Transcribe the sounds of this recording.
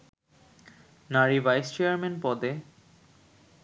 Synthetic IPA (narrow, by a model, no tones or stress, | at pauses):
naɾivajst͡ɕejaɾmenpɔd̪e